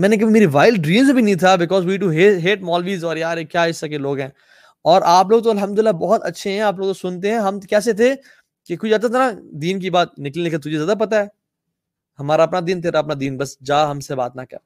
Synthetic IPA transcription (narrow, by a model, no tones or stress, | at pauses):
mɛ̃ːnek̬ɐbʱimeːɾiʋaːɪlɖɖɾĩːmzbʱinɐɦĩt̪ʰabɪkɔːzwiːʈ̬uɦeːɦeːʈ̚mɔːlʋiːzɔːɾjaːɾekjaːɪsakeloːɡɦɛ̃ː | ɔːɾʔaːp̬loːɡ̚t̪̬oɐlɦəmd̪ʊlɪlːabɔɦɔt̪ɐ̰tːʃʰeɦɛ̃aːp̬loːɡt̪osʊnt̪̬eɦɛ̃ɦɐmkɛːs̬et̪ʰe | kekʊt͡ʃaːt̪at̪ʰanad̪iːnk̬ibaːt̪̚nɪklieːkət̪̬ʊd͡ʒʱezjaːd̪ap̬ɐt̪aɦɛː | hɐmaːɾaɐpnad̪iːnt̪̬eːɾaɐpnad̪iːnbɐsd͡ʒaːɦɐmseba̰ːt̪nakɐ̰ɾ